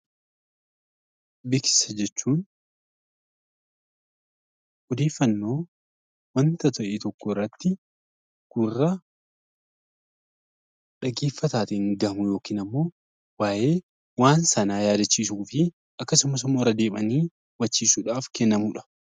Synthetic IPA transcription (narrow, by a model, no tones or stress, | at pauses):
bɪksɪ̥sɐd͡ʒɛt͡ʃːuːn | ɔd̪e̞ːfːɐnːoː | wɐnt̪ɐt̪ɐʔɛt̪ɔkːɔɪrːɐt̪ːɪ | ɡ̥ʊrːɐ | ᶑɐɡe̞ːfːɐt̪aːt̪ɪŋɡɐmʊjo̞ːkiːnɐmːo̞ː | waːʔe̞ː | waːnsɐnaːjaːd̪ɐt͡ʃːiːs̬uːfɪ | ɐkːɐsʊmɐs̬ʊmːoːɾɐd̪eːmɐniː | wɐt͡ʃːiːsuːᶑaːfkɛnːɐmuːᶑɐ̥